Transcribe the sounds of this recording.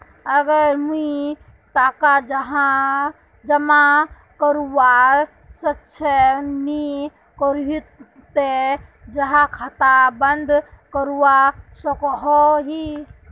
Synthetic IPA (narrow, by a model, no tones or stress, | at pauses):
əɡəɾmui | t̪aːkad͡ʒɦa | d͡ʒəma | kəɾuwa | sətːʃʰəni | kəɾi | t̪ed͡ʒəɦãkʰat̪abənd̪ʱkəɾuwasɔkɦɔɦi